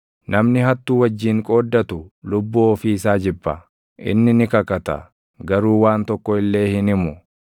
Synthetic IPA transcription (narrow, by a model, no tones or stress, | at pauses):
nɐmnɪɦɐt̪ːuːwɐd͡ʒːiːŋkʼo̞ːd̪ːɐt̪ʊlʊbːuɔfiɪsaːd͡ʒɪbːɐ | ʔɪ̰nːɪnɪkɐkɐt̪ɐ̰ | ɡɐɾuːwaːnt̪ɔkːɔɪlːe̞ːhɪnɪmʊ